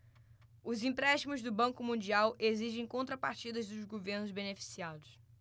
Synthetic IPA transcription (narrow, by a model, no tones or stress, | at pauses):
ʊzĩmpɾɛʃt͡ʃimʊzd̪ʊbɐ̃kʊmũd͡ʒiawʔeziʒẽj̃kõnt̪ɾɐpaɾt͡ʃid̪ɐzd̪ʊzɡoveɾnʊzbenefi̥siad̪ʊs